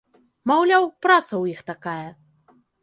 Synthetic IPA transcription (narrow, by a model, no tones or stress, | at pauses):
mawlʲawpɾat̪sɐwjixt̪akajɐ